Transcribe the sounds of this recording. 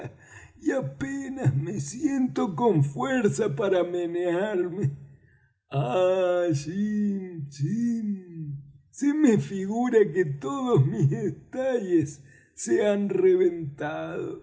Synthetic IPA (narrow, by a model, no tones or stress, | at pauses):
iapenazmesje̞nt̪o̞koɱfweɾsapaɾameneaɾme | a | sisi | simefiɣuɾaket̪oðozmizðet̪aʎesː | eanreβent̪aðo̰